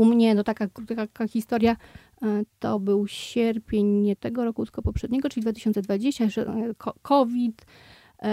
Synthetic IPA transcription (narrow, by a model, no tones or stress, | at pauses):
umɲɛnɔt̪akakɾut̪akaxʲist̪ɔɾja | t̪ɔbɘwɕɛɾpʲjeɲɲɛt̪ɛɡɔɾɔkut̪kɔpɔpʂɛd̪ɲɛɡɔtt͡ʂɘlʲid̪vat̪ɘɕɔnt̪sɛd̪vad͡ʑeɕt͡ɕaʂɛkʰɔkʰɔvʲit̪